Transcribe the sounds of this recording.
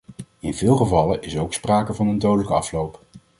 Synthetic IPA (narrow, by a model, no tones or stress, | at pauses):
ɪnvɪːlˠχəvɑləʔɪsowkspraːkəvɑnəndowdələkəɑ̰flowp